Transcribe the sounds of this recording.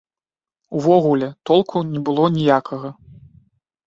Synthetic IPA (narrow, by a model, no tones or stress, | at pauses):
uvɔɣulʲɛt̪ɔlˠkʰunʲɛbɨlˠɔnʲijakʰɐɣɐ